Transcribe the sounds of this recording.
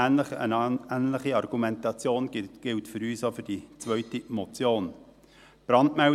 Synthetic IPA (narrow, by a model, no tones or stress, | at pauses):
æːnləχə̰næːnləχiɑrɡ̥umɛntɑt͡sjoːnɡ̥ɪltfʏɾyːsofʏɾd̥it͡svœʏtimot͡sjoːn | b̥ɾɑndmɛ